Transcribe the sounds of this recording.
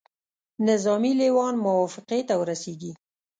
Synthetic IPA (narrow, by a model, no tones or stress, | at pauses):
nɪzɑmilewɑnmʊwɑfɪqet̪awəɾaseɡi